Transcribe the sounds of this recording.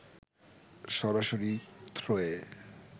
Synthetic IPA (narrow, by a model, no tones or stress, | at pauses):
ʃɔɾaʃoɾit̪ʰɾoe